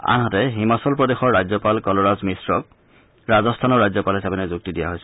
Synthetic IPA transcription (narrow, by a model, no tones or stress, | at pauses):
a̰nɦatɛɦimasɔlpɹɔdexɔɹːazɔpalkɔlɔɹazmisɹɔk̚ | ɹazɔstʰanɔɹːajzɔpalɦisabɛnɛzuk̚tidija̰ɦojsɛ